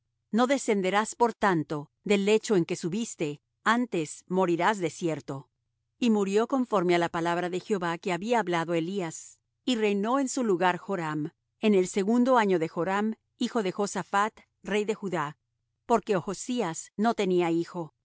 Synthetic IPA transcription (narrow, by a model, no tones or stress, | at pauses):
no̞ðe̞se̞nd̪e̞ɾaspo̞ɾt̪ant̪o̞ | ðe̞le̞t͡ʃo̞e̞ŋke̞suβist̪e̞ | ant̪e̞smo̞ɾiɾazðe̞sje̞ɾt̪o̞ | imuɾjo̞ko̞ɱfo̞ɾme̞alapalaβɾaðe̞xeo̞βake̞aβiaːβlaðoelias | ire̞jno̞e̞nsuluɣaɾxo̞ɾam | e̞ne̞lse̞ɣund̪o̞aɲo̞ðe̞xo̞ɾam | ixo̞ðe̞xo̞safat̪ | re̞jðe̞xuða | po̞ɾke̞oxosiasno̞t̪e̞niaixo̞